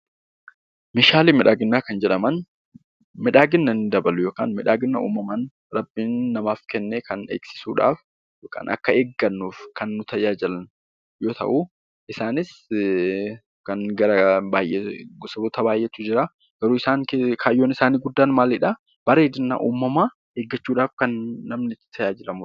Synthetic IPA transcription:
mɪʃaːliːmɪᶑaːɡɪnːaːkɐnd͡ʒɛᶑɐmɐn | mɪᶑaːɡɪnːɐnɪd̪ɐbɐlʊjo̞ːka̰ːnmɪᶑaːɡɪnːɐ̰ṵːmɐmɐn | ɾɐbːiːnːɐmaːfkɛnːeːkɐnḛːɡsɪ̥suːᶑa̰ːf | joːka̰ːnʔɐ̰kːɐeːɡːɐnːuːfkɐnːʊt̪ʰɐjaːd͡ʒɐlɐn | jo̞ːt̪ɐ̰ʔu | ʔɪsaːnɪs | kɐnɡɐɾɐbaːjʔɛɡɔsɐbɔt̪ɐbaːjʔɛt̪ːʊd͡ʒɪɾa | ɡ̥ɐɾuːɪsaːŋkekʰaːjoːnɪsaːniːɡʊd̪ːaːnmaːlɪᶑa | b̥ɐɾeːd̪ɪnːɐ̰ʔuːmːɐmaː | eːɡːɐt͡ʃːuːᶑaːfkɐnːɐmnɪt̪ʰɐjaːd͡ʒɪlɐmʊ

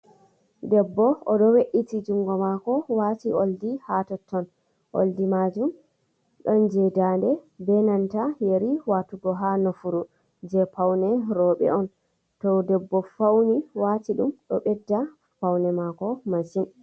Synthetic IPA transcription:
dɛbːɔɔɗɔweʔitid͡ʒuŋɡɔmakɔwatiʔoldihatɔtʰːɔn | ʔo̰ldimad͡ʒum | ɗɔnd͡ʒɛdandɛbɛnantajeɾiwatuɡɔɦanɔfuɾu | d͡ʒɛpawnɛɾɔɓɛ̰ɔn | tɔdɛbːɔfawniwatiɗumɗɔɓɛdːa | pawnɛmakɔmansin

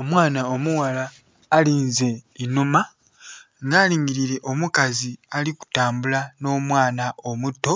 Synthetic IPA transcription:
omwaːnaomuwalaː | liːnze̞inuma | ŋɡaːliːŋɡiɾiɾe̞ʔo̞mukazialiku̥taːmbulano̞ːmwaːnao̞mutːo̞

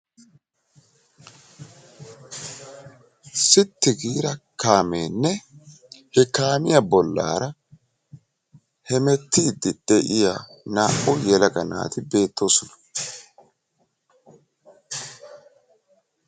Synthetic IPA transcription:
sɪt̪ːɪɡiːɾɐkaːmeːnːɛ | hɛkaːmɪjɐbɔlːa̰ːɾɐ | hɛmɛt̪ːiːd̪ɪd̪̥ɛʔɪjanaːʔʊjɛlɐɡɐna̰ːt̪ɪbe̞ːt̪ʰːo̞ːsʊnɐ̥

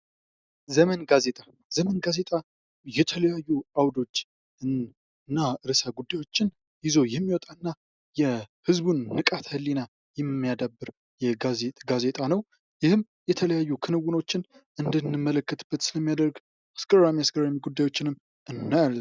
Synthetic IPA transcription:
zəmənɡaze̞t̪ʼa | z̥əmənɡaze̞t̪ʼa | jɛt̪ʰələjajːuawd̪o̞t͡ʃː | ɨn | ɨnːaɨɾɨsaɡud̪ːajwo̞t͡ʃːɪn | jɪzo̞jɛmːiwɔt̪ʼaɨnːa | jɛhɨzbunːɨkʼat̪hɨlːina | jɛmːijad̪abːɨɾ | jɛɡazeɡaze̞t̪ʼanəw | jɪhɨm | jɛt̪ʰələjajːukʰɨnɨwuno̞t͡ʃːɪnʔɨnd̪ənːɨmːələkːət̪b̥ːət̪sɨləmːijad̪əɾɡ | askəramiaskəɾamiɡud̪ːajwo̞t͡ʃːɪnɨm | ʔɨnːaalː

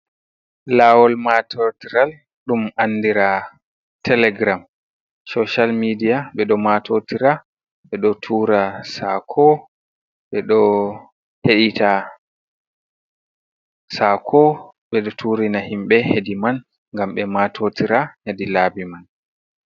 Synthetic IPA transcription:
laːwɔlmatʰɔtiɾal | ɗumanːdiɾa | tʰɛlɛɡɾam | sɔʃalmidijaɓɛɗɔmatʰotiɾa | ɓɛɗɔtʰuːɾasa̰kʰɔ | ɓɛɗɔ | heɗita | sakʰɔ | ɓɛɗɔtʰuɾinahimɓɛhediman | ŋɡamɓɛmatʰotiɾahedilaːbiman

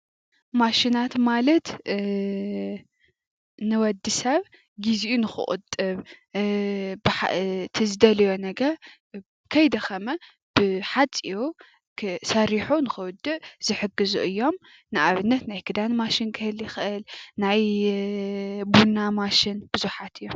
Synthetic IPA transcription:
maʃinat̪malɐt̪ | nɨwɐd̪ːɨsɐβ | ɡiziʔunɨxɨ̰ʔʼʊ̰t̪ʼːɨβ | bɨħa̰t̪ʰɨzɨd̪ɐlɐjonɐɡɐɾ | kʰɐjd̪ɐxɐmɐ | b̥ɨħat͡sʼiu | ksɐɾiħunɨxɨwʊd̪ːɨʔz̥ɨħɨɡɨzṵʔɨjːo̞m | nɨʔaβɨnːɐt̪najkʰɨd̪anmaʃinkʰɨhɨljɪxɨʔɨlnaj | bunamaʃɪnb̥ɨzuħat̪ʰɨjːo

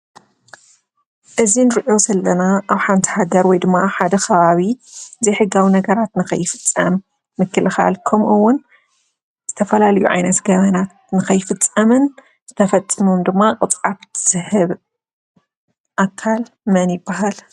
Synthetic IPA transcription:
ʔɨzinɨɾʔo̞zɐlːɐnaʔawħant̪ʰi̥haɡɐɾwɔjd̪ɨmːaħad̪ɐkʰɐβaβiɨzijħɨɡːawinɐɡɐɾat̪nɨxɐ̰jːɪfɨ̥t͡sʼːɐ̰mː | ɨkʰːɨlɨxa̰lkʰɐmʔɨwːʊn | z̥ɨt̪ʰɐfɐlalɐjṵʕa̰jnɐt̪ɡɐβɐnat̪ | nɨxɐjːɪfɨt͡sʼːɐmɨn | z̥ɨt̪ʰɐfɐt͡sʼːɨmumd̪ɨmːaqʼɨt͡sʼaβʰɨz̥ɨhɨβ | ʔakʰːal | mɐnjɪbːaɦal

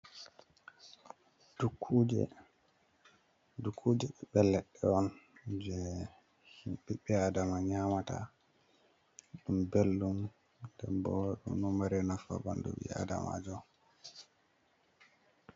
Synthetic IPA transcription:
d̥ukʰːud͡ʒɛ̰ | dukʰːud͡ʒɛɓɛbɛlːɛɗːɛɔnd͡ʒɛ | himɓiɓɛadamaɲamata̰ | ɗumbelːum | dɛ̰mbɔwaɗṵnɔmaɾɛnafa̰ba̰ndṵɓḭa̰da̰ma̰d͡ʒɔ

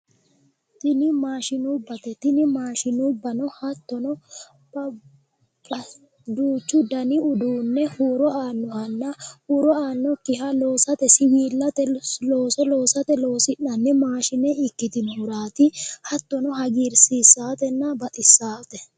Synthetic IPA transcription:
t̪ɪnɪmaːʃɪnubːɐt̪ɛt̪ɪnɪmaːʃɪnubːɐnɔhɐt̪ːɔnɔ | bɐ | bɐ | d̪uːt͡ʃːʊd̪ɐnɪʊd̪uːnːɛhuːɾɔaːnːɔhɐnːɐhuɾɔaːnːɔkːɪhɐlo̞ːsɐt̪ɛsɪwiːlːɐt̪ɛlo̞ːsɔlo̞ːsɐt̪ɛloːsɪnːɐnːɛmaːʃɪnɛɪkːɪt̪ɪnhʊɾaːt̪ɪhɐt̪ːɔnɔɦɐɡiɾsiːsːaːt̪ɛnːɐbɐt̪ʼɪsːaːt̪ɛ

